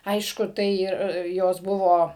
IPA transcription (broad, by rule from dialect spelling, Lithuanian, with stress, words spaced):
ˈɐɪʃkʊ ˈtɐɪ ɪr ˈjoːs ˈbʊʋoː